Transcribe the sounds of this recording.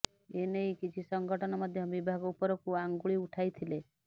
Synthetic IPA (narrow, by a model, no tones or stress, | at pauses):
enejkit͡ʃʰisɔŋɡɔʈʰɔnɔmɔd̪ʱjɔbibʱaɡɔupɔɾɔkuaŋɡuɭiuʈʰajt̪ʰile